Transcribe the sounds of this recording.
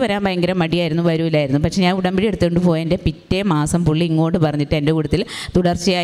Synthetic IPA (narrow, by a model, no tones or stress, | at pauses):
ʋɐɾaːnbɐjɐŋɡɐɾɐmːɐɽijaːjiɾunːuʋɐɾuilːaːjiɾunːupɐkʂe̞ɲaːnuɽɐmbiɽije̞ɽut̪ːikːoɳɖɨpo̞ːjaːnde̞pitːe̞maːsɐmpuɭːiŋːo̞ːɳʈːɖɨpɐrɐɲːiʈːɨendekuːɽut̪ːilt̪uɽɐrt͡ɕːijaː